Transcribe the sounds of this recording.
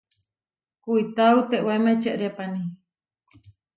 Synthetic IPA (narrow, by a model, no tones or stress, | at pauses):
kuit̪awt̪eʔwemet͡ʃeʔɾepani